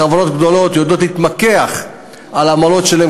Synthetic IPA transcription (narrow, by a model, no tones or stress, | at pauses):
avono̞t̪ɡd̪o̞lo̞t̪jod̪o̞tlhit̪makeaχ | alamalo̞tʃelae